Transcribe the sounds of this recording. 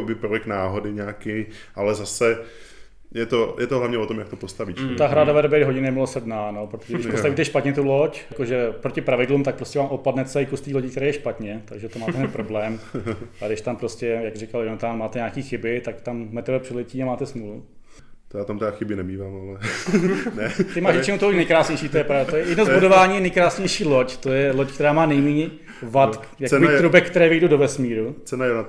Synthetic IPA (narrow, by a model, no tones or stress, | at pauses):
obɪpɾojɛknaːɦodɪɲaːkɪ | ʔalɛzasɛ | jɛt̪ojʔɛt̪oɦlavɲɛot̪omjakt̪opost̪aviːʃt̪aɦɾadavɛɾbɛjɦoɟɲɛnɛmɪlosɛdnaːnopɾot̪oʒɛɾdɪʃpost̪aviːt̪ɛʃpat̪ɲɛt̪ulocjakoʒɛpɾocɪpɾavɪdlumt̪ak̚pɾoscʲɛvaːmʔot̪̚padnɛt̪sɛɪkust̪iːloɟɪk̚t̪ɛɾɛːjɛʃpat̪ɲɛt̪aɡʒɛt̪omaːt̪ɛɦnɛpɾo̞blɛːmadɪʃt̪ampɾoscɛjakrɪkaljonat̪aːnmaːt̪ɛɲaːkiːxɪbɪt̪akt̪ammɛt̪ɛbɛpr̥ɪlɛciːamaːt̪ɛsmulu | t̪jaːt̪amt̪ɛdaxɪbɪnɛmiːvaːmalɛ | nɛt̪ɪmaːʃɲɛt͡ʃɛmut̪olojnɛjkɾaːsɲejʃiːt̪ojɛpɾavdat̪ojɛjɛdnozbudovaːɲiːjɛnɛjkɾaːsɲɛjʃiːloct̪ojɛlockt̪ɛɾaːmaːnɛjmiːɲɛ | vat̪ | jakbɪt̪ɾubɛkːt̪ɛɾɛːvɪjdudovɛsmiːɾut͡sɛnajona